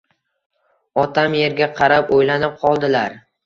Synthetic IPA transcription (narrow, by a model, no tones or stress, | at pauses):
ɒt̪ʰamje̞ɾɡʲaqʰɑɾapojlanɪp̚qʰɒlˠd̪ɪlaɾ